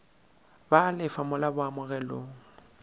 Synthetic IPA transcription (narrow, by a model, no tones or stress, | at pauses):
balɪfamʊlabʊamʊɣɛloːŋ̩